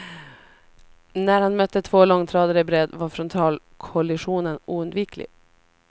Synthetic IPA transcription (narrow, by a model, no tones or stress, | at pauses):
næɾhanmœt̪ːət̪ʰv̥oːlɔŋːt̪ʰɾɑːd̪əɾəbɾɛd̪vaɾfɾɔnt̪ʰɑːl | kʰɔlɪɧuːnənuːɵnd̪viːklɪ̰